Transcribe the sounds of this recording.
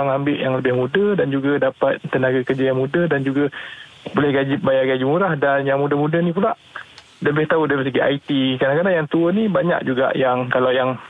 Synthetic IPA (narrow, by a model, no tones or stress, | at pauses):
aŋambɪʔjaŋləbɪhmudədand͡ʒuɡadapat̪̚ːənaɡakərd͡ʒajaŋmudədand͡ʒuɡa | bolɛhɡad͡ʒɪp̚bajaɡad͡ʒimuɾahdanjaŋmudəmudənipulaʔ | ləbɪht̪audaipas̬aɡiʔa̰it̪ikanakadajaŋt̪uənibaɲa̰k̚d͡ʒuɡa̰ʔjaŋkalawjaŋ